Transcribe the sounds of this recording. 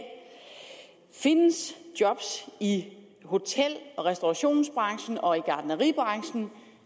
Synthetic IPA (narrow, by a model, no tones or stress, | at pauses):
fe̝nəsd̥jɒ̽b̥si | ho̝t͡sʰel̰ɒ̽ʁɛsd̥oɑɕo̝̰ːnsb̥ʁɑ̈ŋɕn̩ɒ̽iɡ̥ɑ̈ːd̥nəʁḭːb̥ʁɑ̈ŋɕn̩